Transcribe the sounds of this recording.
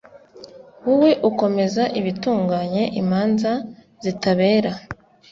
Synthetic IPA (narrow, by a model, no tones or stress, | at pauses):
wuwe̞ʔuko̞me̞zaʔiβituːŋɡaːɲe̞ʔimaːnza | zitaβe̞ːɾa